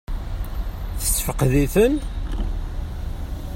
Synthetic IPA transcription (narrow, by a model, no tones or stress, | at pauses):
θə̥sːfəqðiθən